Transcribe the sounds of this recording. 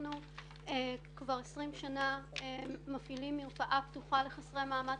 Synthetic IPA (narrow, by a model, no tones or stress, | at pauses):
nu | ekvaʁesʁimʃanaemafilimːiʁfaʔapt̪uχale̞χasʁemaːma